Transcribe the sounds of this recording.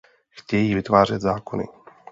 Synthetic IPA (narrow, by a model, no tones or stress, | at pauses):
xcɛjivɪt̪vaːr̝ɛd̪zaːkonɪ̰